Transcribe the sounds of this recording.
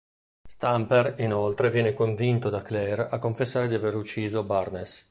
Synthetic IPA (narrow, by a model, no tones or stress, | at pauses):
st̪ampeɾinolt̪ɾevjɛːnekoɱvint̪od̪aklɛrakːoɱfesːaːɾed̪iaveɾut͡ʃːiːzobarnes